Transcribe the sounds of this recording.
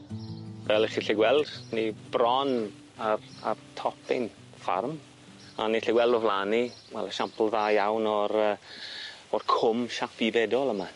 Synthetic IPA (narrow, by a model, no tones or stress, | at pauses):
vɛlˠɪχiɬiɡwɛlˠd̥nibrɔn | arartʰɔpʰɪ̰n | fa̰rm | a̰niɬiɡwɛlˠdɔvlˠaniwɛ̰lˠəʃampʰl̩ˠðaːjawnɔɾəː | ɔrkʰʊmʃapivɛdɔlˠəma